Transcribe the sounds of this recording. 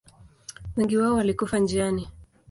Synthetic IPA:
wɛŋɡiwaɔwalikufand͡ʒiani

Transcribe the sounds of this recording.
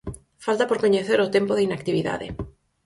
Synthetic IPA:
falt̪apoɾkoɲeθeɾot̪empoðeinakt̪iβiða̰ðḛ

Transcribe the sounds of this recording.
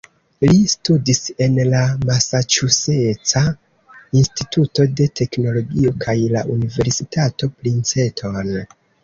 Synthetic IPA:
listudise̞nlamasat͡ʃuse̞t͡sa | instituto̞de̞tʰe̞kno̞lo̞ɡio̞kʰajla̰ʔunive̞ɾsitato̞plint͡se̞tʰo̞n

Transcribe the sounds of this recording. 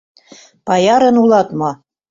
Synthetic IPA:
pɑjɑɾɤ̆nulˠɑt̪mɑ

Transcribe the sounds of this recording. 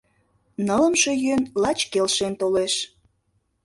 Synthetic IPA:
nələmʃøjønlɑt͡ɕkelʃent̪oleʃ

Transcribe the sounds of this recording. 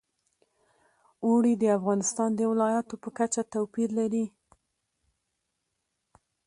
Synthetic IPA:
uɽid̪əafɣɑnɪst̪ɑnd̪əwɪlɑjat̪opəkat͡ʃat̪awpiɾlaɾi

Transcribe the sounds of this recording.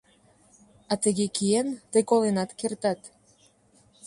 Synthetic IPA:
ɑt̪əɣekient̪əjkolenɑt̪kert̪ɑt̪

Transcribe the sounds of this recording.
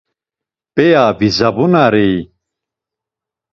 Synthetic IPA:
pejaːbizɐbunaɾej

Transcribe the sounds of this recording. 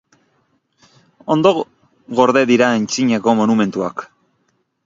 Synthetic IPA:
o̞nd̪o̞ | ɣo̞ɾðe̞ðiɾaent͡siɲeko̞mo̞nume̞nt̪uak

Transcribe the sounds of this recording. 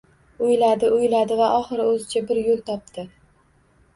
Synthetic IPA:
ʊjlad̪ɪʊjlad̪ɪvaʔɒχɨɾɪɵzɪt͡ʃʰabɪɾjolˠt̪ʰɒp̚t̪ʰɪ

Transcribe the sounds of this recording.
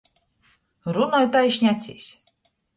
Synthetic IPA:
ɾunɔjt̪ajiʃʲnʲat̪sʲḭsʲ

